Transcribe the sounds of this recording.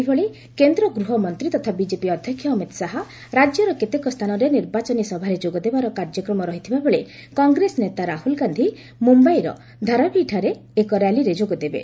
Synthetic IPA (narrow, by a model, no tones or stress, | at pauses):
bɔɭe | kend̪ɾɔɡɾuɦɔmɔnt̪ɾit̪ɔt̪ʰabid͡ʒepiɔd̪ʱjɔkʰjɔːmit̪saɦɔ | ɾad͡ʒjɔɾɔket̪ekɔst̪ʰanɔɾeniɾbat͡ʃɔnisɔbʱaɾed͡ʒoɡɔd̪ebaɾɔkaɾd͡ʒjɔkɾɔmɔɾɔɦit̪ʰibabɔɭe | kɔŋɡɾesnet̪aɾahulɡand̪ʱi | mumbaijɾɔ̰ | d̪ʱaɾabiʈʰaɾeː | kɔɾjaliɾed͡ʒoɡɔd̪ebḛ